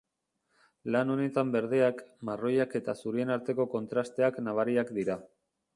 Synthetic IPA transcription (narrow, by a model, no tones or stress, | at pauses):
lano̞ne̞t̪ambe̞ɾðe̞akmaro̞jake̞t̪asuɾie̞naɾt̪e̞ko̞ko̞nt̪ɾast̪e̞aknaβ̞aɾiakd̪iɾa